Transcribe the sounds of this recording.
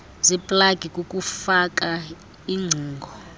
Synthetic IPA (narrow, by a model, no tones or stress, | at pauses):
zipʼlaɡ̥ʱikʼokʼufakʼa | iŋ͡ǀʱuːŋɡʱɔ